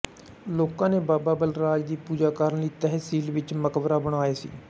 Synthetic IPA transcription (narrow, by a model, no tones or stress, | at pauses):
loːkãːneːbaːbaːbəlɾaːd͡ʒd̪iːpuːd͡ʒaːkaɾənliːt̪ɛɦsiːlʋɪt͡ʃməkʋɾaːbəɽaːeːsḭː